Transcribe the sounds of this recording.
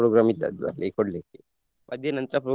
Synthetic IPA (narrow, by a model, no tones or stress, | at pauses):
ɾoɡɾamit̪ːa̰d̪ʋa̰ɾlʔekoɽleke | mʔɐd̪ʱjɐnɐnt̪ɾɐpɾo